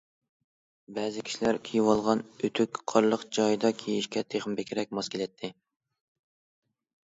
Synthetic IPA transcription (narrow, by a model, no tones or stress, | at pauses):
bɛːzɪkʲʰi̥ʃilæɾkʲʰijwɑlˠʁɑnøt̪ʰykʲqʰɑɾlˠəqd͡ʒɑjd̪ɑkʲʰejiʃkʲɛt̪ʰeχmbekʲɾɛk̚ʲmɑskʲʰelɛt̪ʰːɪ